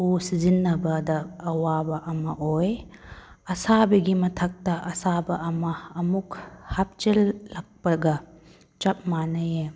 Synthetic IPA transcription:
usizinːɐbɐdɐːwabɐʔɐmɐʔoj | ɐsabɐɡimɐtʰɐk̚tɐʔɐsabɐʔɐmɐːmukhap̚t͡ʃelːɐk̚pɐɡɐ | t͡ʃɐp̚manɐje

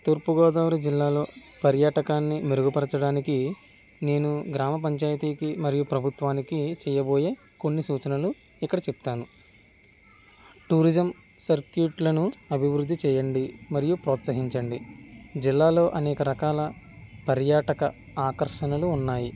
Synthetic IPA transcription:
t̪uːɾpuɡɔːd̪aːʋɾud͡ʒilːaːlo̞ː | pɐɾjaːʈɐkaːnːimeɾuɡupɐɾɐt͡ʃɐɽaːniki | ne̞ːnuɡɾaːmɐp̬ɐɲt͡ʃaːjɐt̪iːkimɐɾijupɾɐbʱut̪ʋaːnikit͡ʃɛːjɐbo̞ːje̞ː | ko̞nːisuːt͡ʃɐnɐlu | ikːɐɽɐt͡ʃepu̥t̪aːnu | ʈuːɾid͡ʒɐm | sɐɾkjuʈlɐnuɐbʱiʋɾud̪ʱːit͡ʃɛːjɐɳɖimɐɾijupɾɔːt̪sɐɦiɲt͡ʃɐɳɖid͡ʒilːaːlo̞ːʔɐnɛːkɐɾɐkaːlɐ | pɐɾjaːʈɐkɐ | aːkɐɾʂɐnɐluːnːaːji

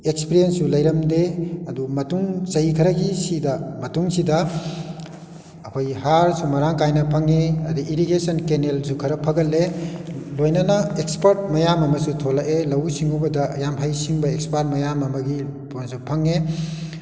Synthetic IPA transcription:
ekspiɾijenssulɐjɾɐmdeɐdumɐtuŋsɐhikʰɐɾɐɡisidɐmɐtuŋsidɐ | kʰojhaɾsumɐɾaŋkajnɐpʰɐŋeɐdiʔiɾiɡesɐnkenelsukʰɐɾɐpʰɐɡɐlːelojnɐnɐekspɐɾt̚mɐjamɐmɐsutʰolɐʔelɐwsiŋubɐdɐɐ̰jamɦajsiŋbɐekspaɾt̚mɐjamɐmɐɡiponsupʰɐŋːe

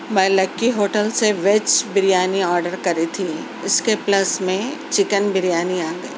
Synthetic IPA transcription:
mɐlɐkːiɦoːʈəlseʋet͡ʃbɪɾijaːniɔːɾɖəɾkɐɾit̪ʰi | ɪskeplɐsmẽt͡ʃɪkənbɪɾijaːniaːɡɐeː

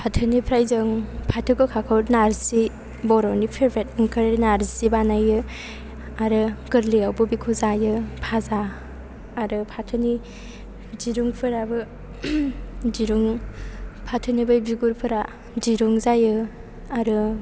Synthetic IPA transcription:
pʰatʰɯnipʰɾajzɯŋpʰatʰɯkɯkʰakʰɯwnaɾsi | bɔɾɔnipʰeɾbʰet̚ɯŋkʰɯɾnaɾsibanajɯ | aɾɯɡɯɾlijawbɯbikʰuzajɯpʰazaː | ɾɯpʰatʰɯni | ziɾuŋpʰɯɾabɯ | ziɾuŋ | pʰatʰɯnibɯjbiɡuɾpʰɯɾa | d͡ʒiɾuŋzajɯ | aɾɯ

